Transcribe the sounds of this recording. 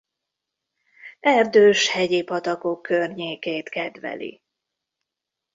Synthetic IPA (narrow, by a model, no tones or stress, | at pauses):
ɛrd̪øːʃhɛɟeːpɒt̪ɒko̞kːørɲeːkeːt̪kɛd̪ʋɛ̰lḭ